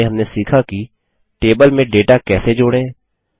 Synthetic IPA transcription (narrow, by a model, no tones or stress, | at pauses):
eɦɐmnesiːkʰaki | ʈeːbəlmẽɖeːʈakɛːsed͡ʒoːɽẽ